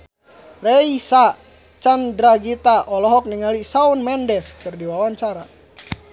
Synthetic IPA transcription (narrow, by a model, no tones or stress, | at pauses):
rɛisa | t͡ʃandɾaɡit̪aʔɔlɔɦɔk̚niŋalisaunmɛndɛskɨrdiwawaɲt͡ʃaɾa